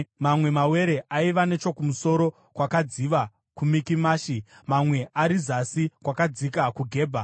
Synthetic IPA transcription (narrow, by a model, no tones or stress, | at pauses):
mamwe̞mawe̞ɾe̞ʔaiʋane̞t͡ʃo̞kumuso̞ɾo̞ | kwakad͡ziʋa | kumikimaːʃimamwe̞ʔaɾizasikwakad͡zikakuɡʱe̞ːbʱa